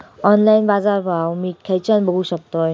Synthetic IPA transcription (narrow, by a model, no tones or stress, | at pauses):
ɔnlainbad͡zaɾbʱawmiːkʰːɛjt͡ɕanbəɡuːɕək̚t̪oj